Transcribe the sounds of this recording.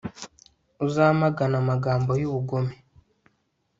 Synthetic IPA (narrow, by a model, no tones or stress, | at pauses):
uzamaɡanamaɡaːmbo̞juβuɡome